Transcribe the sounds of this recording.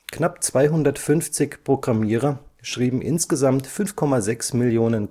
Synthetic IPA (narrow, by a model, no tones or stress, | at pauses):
knapt͡sv̥aɪɦʊndɐtfʏnft͡sɪçpʁ̥oɡʁamiːʁɐʃʁ̥iːbm̩ʔɪ̰nsɡ̥əzamtfʏnfkʰɔmazɛksmɪljoːnən